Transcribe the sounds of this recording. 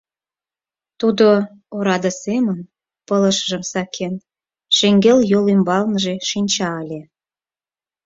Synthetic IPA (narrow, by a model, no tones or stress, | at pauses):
t̪ud̪o | oɾɑd̪ə̆semən | pələʃəʒə̆msɑkʰen | ʃeŋɡeljolymbɑlnəʒeʃinʲt͡ɕɑəlʲe